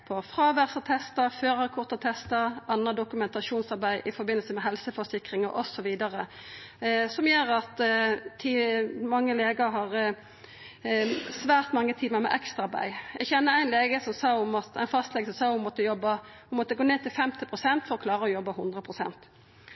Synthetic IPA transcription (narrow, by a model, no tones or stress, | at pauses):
pʰɔfʁɑːʋæʁsət̪ʰɛst̪ɑføːɾəkʰʊʁt̪ɑt̪ʰɛst̪ɑɾɑnəd̪ʊkʉmɛnt̪ɑʂuːnsɑɾbæɪʔɪfɔɾbɪnəl̩səmɛɦɛlsəfɔsɪkɾɪŋɑɾʔɔsɔʋiːd̪ɑɾə | sɔmjøːɾɑt̪t̪ʰiːmɑŋːəleːɡəɾɦɑʁ | sʋæːʁt̪mɑŋːət̪ʰiːməɾmɛ̰ʔɛkst̪ɑbæ̰ɪjæɡçɛnːəɾæɪnleːɡəsɔmsɑːʊmɑt̪æɪnfɑst̪lɛːɡəsɔmsɑːʊmɔt̪ːəjɔbːəhʊmɔt̪ːəɡoːneːt̪ʰɪlfɛmt̪ɪpʰɾʊsɛnt̪fɔɾɔkʰlɑːɾəɔjɔbːəhʊnd̪ʁəpʰɾʊsɛ̰nt̪